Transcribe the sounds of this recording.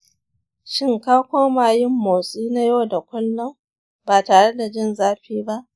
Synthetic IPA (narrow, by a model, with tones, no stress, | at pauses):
ʃɪ˦ŋkaː˦kʷoː˦maː˨jɪ˦mːoː˨sʼiː˦na˦joː˦˨da˨kʷʊ˦lːɔ˦m | baː˨taː˨ɽe˦da˨d͡ʒɪ˦nzaː˦ɸiː˦ba˦ʔ